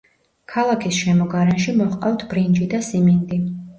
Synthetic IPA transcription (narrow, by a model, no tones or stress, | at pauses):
kʰalˠakʰisʃɛmɔɡaɾɛnʃimɔχqʼawt̪ʰb̥ɾind͡ʒid̪asimind̪i